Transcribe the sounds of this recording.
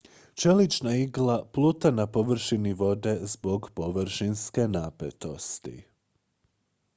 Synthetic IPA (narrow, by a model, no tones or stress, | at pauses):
t͡ʃe̞lit͡ʃnaiɡlˠaplˠuːt̪anapo̞ʋr̩ʃiniʋo̞d̪e̞zbo̞ɡpo̞ʋɾ̩ʃinske̞naːpḛt̪o̞st̪ḭ